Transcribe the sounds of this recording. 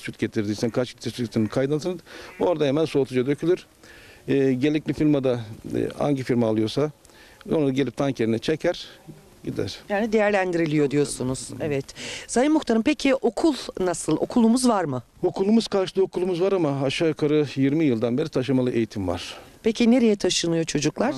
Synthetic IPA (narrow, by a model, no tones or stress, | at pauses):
syt̪ɟet̪ʰiɾd̪iːsænkʰat͡ʃit̪ʰɛsyt̪ʰinikʰajd̪ant̪ɯnɯd̪oɾd̪aɦemænso̞ːt̪ʰud͡ʒad̪ø̞cʰylʲyɾ̥ː | ɟelʲic̚lʲifilʲmad̪a̰a̰ɲɟifiɾmaːlˠɯjo̞sa | onad̪aɟelʲip̚t̪ʰancʰeɾinɛt͡ʃʰecʰæɾ̥ | ɟid̪æ̰ɾ̥jaːnid̪e̞jæɾlʲænd̪iɾilʲijo̞d̪ijo̞sunuz̥evɛt̪sajɯmːuxt̪aɾɯmpecʰiʔo̞kʰulˠnasɯlˠo̞̰kʰulˠumuzvaɾmɯ | o̞kʰulˠumuz̥kʰaɾʃɯ̥d̪ˠɯo̞kʰulˠumuzvaɾamaːʃaːkʰaɾɯjiɾmijɯlˠd̪anbe̞ɾit̪ʰaʃ̬ɯmalˠɯʔe̞jit̪ʰimva̰ɾ̥pʰecʰine̞ɾe̞jɛt̪ʰaʃɯnɯjo̞t͡ʃʰo̞d͡ʒuklˠaɾ̥